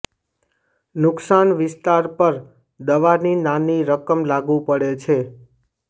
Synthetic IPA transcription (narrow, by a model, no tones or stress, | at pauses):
nʊksanʋɪst̪aɾpəɾ | d̪əʋaɾninaniɾəkəmlaɡũpəɽet͡ʃʰe